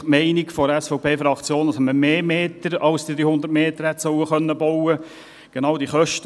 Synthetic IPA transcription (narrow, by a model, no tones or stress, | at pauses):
mɛɪnɪɡfɔɾɛsfɔʊpʰeːfɾɑkt͡sjoːndɑsɛməmeːmeːtəɾɑwsd̥id̥̪ɾyːhʊnd̪əɾtmeːt̪əɾhɛt̪sœwəχœnːəbɔwə | ɡ̥enɑʊdiχœʃtə